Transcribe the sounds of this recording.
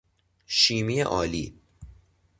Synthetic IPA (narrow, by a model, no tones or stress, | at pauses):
ʃiːmiːjḛʔɒːliː